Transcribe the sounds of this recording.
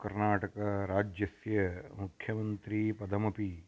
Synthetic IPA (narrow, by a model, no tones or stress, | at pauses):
kɐɾnaːʈɐkɐɾaːd͡ʒjɐsjɐmukʰjɐmɐnt̪ɾipɐd̪ʱɐmɐpi